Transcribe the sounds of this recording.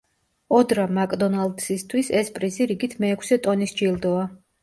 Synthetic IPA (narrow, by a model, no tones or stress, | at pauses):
ɔd̪ɾamakʼd̪ɔnald̪sist̪ʰwisɛspʼɾiziɾiɡit̪ʰmɛːkʰsɛt̪ʼɔnisd͡ʒilˠd̪ɔa